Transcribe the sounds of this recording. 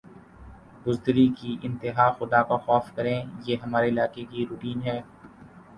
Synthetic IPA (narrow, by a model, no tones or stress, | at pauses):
bʊzd̪ɾikiʔɪ̃nt̪ɪɦaːxʊd̪akaxɔːfkɐɾẽːjeːɦɐmaːɾeɪlaːkekiɾuːʈiːnɦɛː